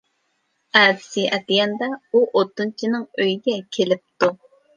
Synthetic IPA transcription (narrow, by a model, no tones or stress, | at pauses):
æd̪ɪsɨʔɛt̪ɪjɛnd̪ɑuʔot̪ːɨnt͡ʃʰinɪŋøjiɡʲɛkʲʰelɪp̚t̪u